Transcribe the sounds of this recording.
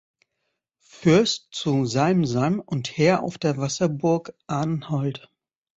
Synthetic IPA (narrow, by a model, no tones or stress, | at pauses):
fʏɐstt͡suzalm̩zamʊntheːɐʔa̰ʊfd̥eːɐvasɐbʊɐkʔaːnnhɔlt